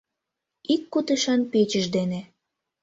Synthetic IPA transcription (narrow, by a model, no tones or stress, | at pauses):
ikːut̪əʃɑnpet͡ɕəʒd̪ene